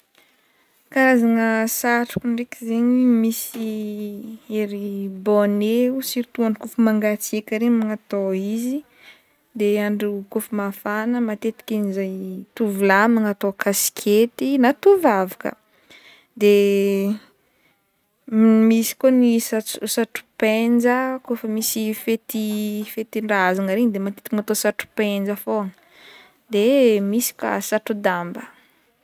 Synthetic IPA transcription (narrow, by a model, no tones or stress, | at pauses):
kaɾazaŋəsaʈ͡ʂu̥kuɳɖ͡ʐekʲizeɲimisi | eɾiboneusiɾt̪uaɳukufumaŋɡat͡siekʲəɾemaŋat̪oizi | d̪eaɳɖ͡ʐikufumafanəmat̪et̪i̥kʲinizajt̪uvilamaŋat̪okʰasi̥kʲʰet̪inat̪uvavakə̰ | d̪e | misi̥konisausaʈ͡ʂu̥pend͡ʒəkofəmisifet̪ifet̪iɳɖ͡ʐazaŋaɾeɲd̪emat̪e̥t̪ikimat̪osaʈ͡ʂu̥pend͡ʒəfoŋ | d̪emisi̥ka̰saʈ͡ʂud̪ambə